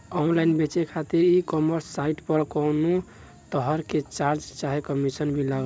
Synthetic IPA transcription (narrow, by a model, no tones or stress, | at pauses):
ɔnlainbet͡ʃekʰat̪iɾikɔməɾsːaiʈpəɽkɔnu | t̪əɦəɾket͡ʃaɾd͡ʒt͡ʃaɦekəmisənbʱilaɡ